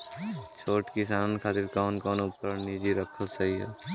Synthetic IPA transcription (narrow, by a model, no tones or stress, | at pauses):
t͡ʃʰoːʈkɪs̬aːnkʰaːt̪ɪɾkɔːnkɔːnupəɾniːd͡ʒiɾəkʰəlsɐɦiɦɛ̰ː